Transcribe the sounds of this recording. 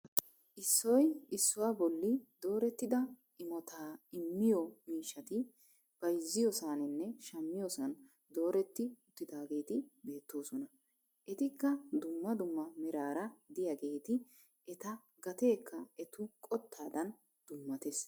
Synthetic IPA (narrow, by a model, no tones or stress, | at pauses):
ʔɪsːɔjɪsːʊwaːbɔlːɪd̪o̞ːɾɛt̪ːɪd̪ɐ | ʔɪmɔt̪ʰaːɪmːɪjɔmiːʃːɐt̪ɪ | b̥ɐjzːɪjɔsaːnɪnːɛʃɐmːɪjɔsɐn | d̪o̞ːɾɛt̪ːɪʊt̪ːɪd̪aːɡe̞ːt̪ɪbe̞ːt̪ːo̞ːsɔnɐ | ʔɛt̪ɪkːɐd̪ʊmːɐd̪ʊmːɐmɛɾaːɾɐd̪ɪjɐɡe̞ːt̪ɪ | ʔɛt̪ɐ | ɡɐt̪e̞ːkːɐɛt̪ʊkʼɔt̪ʰːaːd̪ɐn | d̪̥ʊmːɐt̪es